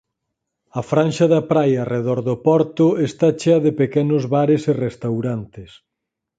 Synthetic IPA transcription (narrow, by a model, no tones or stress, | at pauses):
ɐfɾanʃɐðɐpɾajaɐreðɔɾðopɔɾt̪ʊest̪at͡ʃeɐðepekɛnʊzβaɾesɪrest̪awɾant̪ɪs